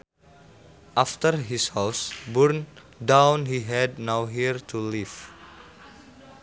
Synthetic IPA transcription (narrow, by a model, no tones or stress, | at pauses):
ʔaft̪ərɦishawsbuɹn | dãwnɦiɦɛdnawɦiɹt̪ʰuliv